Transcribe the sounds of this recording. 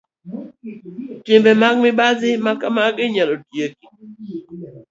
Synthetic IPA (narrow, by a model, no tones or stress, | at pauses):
tɪmbɛmaɡ̚mɪbazɪmakamaɡɪɲalodjeki̥